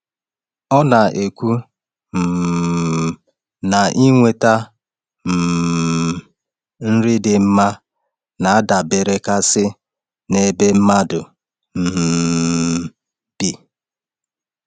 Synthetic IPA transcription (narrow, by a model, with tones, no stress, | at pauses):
ɔ˦na˨ʔe˨kʷu˦ | m̩˨ | na˨ʔi˦ŋʷe˨ta˦ | m̩˨ | n̩˦ɾi˦dɪ˨m̩˦ma˦ | na˨a˦da˨be˨ɾe˦ka˦sɪ˦ | ne˨be˦m̩˦ma˦dʊ˨ | m̩˨ | b̥i˨